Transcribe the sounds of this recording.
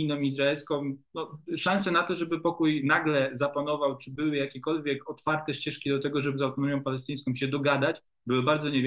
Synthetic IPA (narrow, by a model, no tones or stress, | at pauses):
inɔmizɾaɛlskɔ̃mnɔʂãnsɛnat̪ɔʐɛbɘpɔkujnaɡlɛzapanɔvawt͡ʂɘbɘwɘjakʲɛkɔlvʲjɛkɔt̪faɾt̪ɛɕt͡ɕɛʂkʲid̪ɔt̪ɛɡɔʐɛbɘzawt̪ɔnɔmʲjɔ̃w̃palɛst̪ɘj̃skɔ̃wmɕɛd̪ɔɡad̪at͡ɕ | bɘwɘbaɾd̪zɔɲɛvʲ